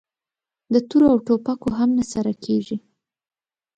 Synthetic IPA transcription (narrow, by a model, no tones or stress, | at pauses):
d̪ət̪uɾoawʈopakoɦamnasaɾakʰeʐi